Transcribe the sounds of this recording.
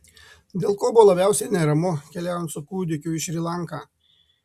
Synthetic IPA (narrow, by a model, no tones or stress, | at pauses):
d̪ʲeːlˠkoːbʊʋolˠɐbʲæˑʊsʲɛɪnʲɛɾɐmʊkʲɛlʲæːjɔnt̪sʊkuːd̪ʲɪkʲʊɪʃɾʲilˠɑŋˑkaː